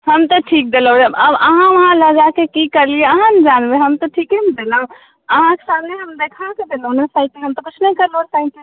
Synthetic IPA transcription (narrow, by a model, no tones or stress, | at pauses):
həmt̪ɔʈʰiːk̚d̪eləw̃d͡ʒəbəbəɦãʋəɦãləɡakekikəɾlieəɦãnd͡ʒanbeɦəmt̪ɔʈʰiːkimd̪elə̃ | əɦãke̥samneɦəmd̪ekʰaked̪elonəsaːiʈ̚eɦəmt̪ɔkʊt͡ʃʰnəɦĩkəɾlõnsaiʈe